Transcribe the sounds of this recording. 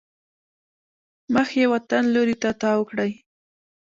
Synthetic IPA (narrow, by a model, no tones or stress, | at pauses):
məxjewat̪anloɾit̪at̪ɑwəkɽaj